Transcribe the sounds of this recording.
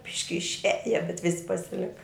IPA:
ˈbʲɪʃʲkʲɪ ɪʃʲˈæːjɛ bʲɛt ˈʋʲɪsʲɪ pɐsʲɪˈlʲɪkɐ

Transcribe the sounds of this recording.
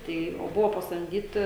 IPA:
ˈtɐɪ oː ˈbʊʋoː pɐsɐmʲˈdʲiːtʲɪ

